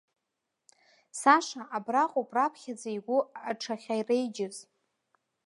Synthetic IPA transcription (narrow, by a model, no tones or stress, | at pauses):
saʂaʔabraqʼopʼrapʰχʲad͡zajɡʷʊaʈ͡ʂʰaχʲajrejd͡ʒɪz